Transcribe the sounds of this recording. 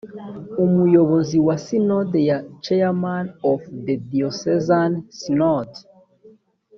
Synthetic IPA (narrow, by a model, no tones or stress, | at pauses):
umujoβoziwasinɔdejat͡ʃɛamanɔfðediosɛzansinɔt